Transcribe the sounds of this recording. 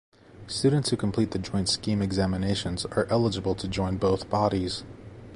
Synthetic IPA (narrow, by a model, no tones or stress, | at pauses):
stʉdⁿn̩tshʉkʰm̩pʰl̥it̪̚ðɨd͡ʒɔ̃ɪ̃ntskĩmɨɡzæmɨneɪʃɨ̃nzə̰˞ʔɛlˠəd͡ʒəbl̩ˠtʰɨd͡ʒɔ̃ɪ̃nboʊθb̥ɑɾiz̥